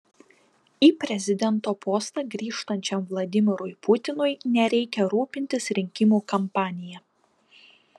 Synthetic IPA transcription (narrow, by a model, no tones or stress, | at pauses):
iːpʲɾʲɛzʲɪd̪ʲɛnt̪oːpoːst̪ɑɡɾʲiːʃt̪ɐnʲt͡ʃʲɛmʋlˠɐd̪ʲɪmʲɪɾʊɪpʊt̪ʲɪnʊɪnʲɛɾʲɛɪkʲɛɾuːpʲɪnʲt̪ʲɪsɾʲɪŋʲkʲɪmuːkɐmpɑːnʲɪjɛ